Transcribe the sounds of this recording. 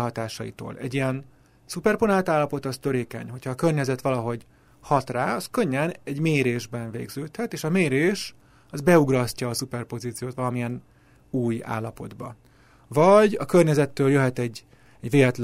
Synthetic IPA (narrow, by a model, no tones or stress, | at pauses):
ɦɒt̪aːʃɒjḭt̪o̰ːlɛ̰ɟːijɛn | supɛrponaːt̪aːlːɒpo̞t̪ɒst̪øɾeːkɛ̰ɲho̞cʰɒːkørɲɛzɛt̪ʋɒlɒɦo̞ɟ | hɒt̪raːɒskø̞ɲːɛnɛɟmeːɾeːʒbɛɱvḛːɡzøːt̪hɛt̪eːʃɒmeːɾeːʃ | ɒzbɛuɡrɒscɒːsupɛrpo̞ziːt̪sijoːt̪ʋɒlɒmijɛn | uːja̰ːlːɒpo̞d̪bɒ | vɒɟɒkørɲɛzɛt̪ːøːljøɦɛt̪ɛɟ | ɛɟʋeːlɛt̪l